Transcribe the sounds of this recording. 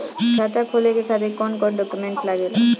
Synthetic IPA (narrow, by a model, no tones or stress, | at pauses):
d͡ʒʰʱat̪akʰolekekʰab̪ekɔnkɔʈɖɔkjumeɳʈlaɡele